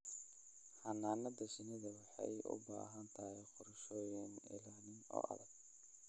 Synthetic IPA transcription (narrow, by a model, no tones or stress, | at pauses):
ħɑnaːnɐd̪ɐsɪnɐðɐwɑħɑjʊ̰ba̰ːɦɐnt̪ʰɐhɛqʊɾɐʃɔːjɪŋɪ̰laːnɪnɔ̰ːʔɐ̰ðɐɡ̚